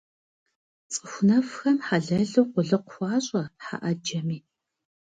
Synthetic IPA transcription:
t͡sʼɨxʷnɐfxɐmħaɮɐɮuwqʷʊɮɨqʷxʷɑːɕʼɐħa̰ʔɐd͡ʒɐmiː

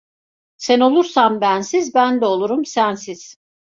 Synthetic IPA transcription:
sæno̞lˠuɾsambænsizbænd̪ɛo̞lˠuɾumsænsiz̥

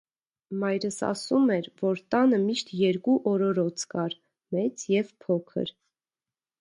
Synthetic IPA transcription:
mɑjɾəsɑ̰sumɛɾvɔɾt̪ɑnəmiʃt̪jɛɾkuʔɔɾɔɾɔt͡sʰkɑɾ | mɛt͡sjɛvpʰɔkʰə̰ɾ

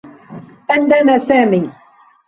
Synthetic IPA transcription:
ʔand̪anaːsaːmiː

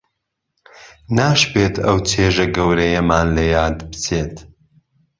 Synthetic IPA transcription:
naːʃbeːt̪ʰɐwt͡sʰeːʒɐɡɐwɾɐjɐmaːnlɐjaːd̪bɨt͡sʰeːt̪

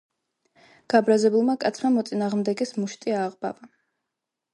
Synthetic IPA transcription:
ɡ̥abɾazɛbulˠmakʼat̪sʰmamɔt̪sʼinaːʁmd̪ɛɡɛsmuʃt̪ʼiaʁba̰va

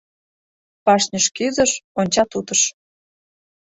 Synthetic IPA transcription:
pɑʃnʲəʃkyzəʃonʲt͡ɕɑt̪ut̪əʃ

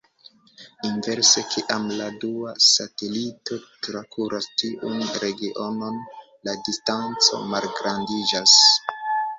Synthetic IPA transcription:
inve̞ɾse̞kʰiʔamladuasate̞lito̞tɾakʰuɾastiʔunɾe̞ɡiʔo̞no̞n | ladistant͡so̞̰malɡɾandid͡ʒas

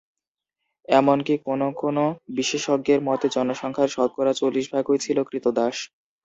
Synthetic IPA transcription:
ɛmonkikonokonobiʃeʃoɡ̚ːeɾmɔt̪ed͡ʑɔnoʃɔŋkʰaɾʃɔd̪̚kɔɾat͡ɕolːiʃbʱaɡɦojet͡ɕʰilokɾit̪od̪aʃ

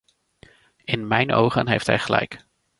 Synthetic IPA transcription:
ɪnmɛjnʔo̰wχənɦejftɦɛjχəlɛjk

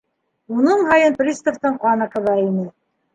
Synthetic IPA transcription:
unɤɴɦɑjɤnprʲist̪ŏft̪ɤɴqɑnɑqɤ̆ðɑinɘ

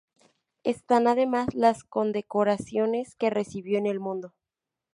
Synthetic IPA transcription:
e̞st̪anað̞e̞mazlasko̞nd̪e̞ko̞ɾasjo̞ne̞ske̞re̞siβjo̞ene̞lmũnd̪o̞

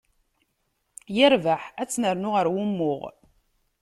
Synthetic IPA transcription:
jəɾvaħæt͡sːnəɾnʊʁəɾwʊmːʊʁ

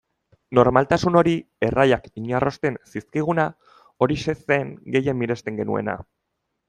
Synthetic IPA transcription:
no̞ɾmalt̪asuno̞ɾi | e̞rajakiɲarʔo̞st̪e̞nsiskiɣ̞una | o̞ɾise̞seŋɡe̞jemiɾe̞st̪e̞ŋɡe̞nue̞̰na̰

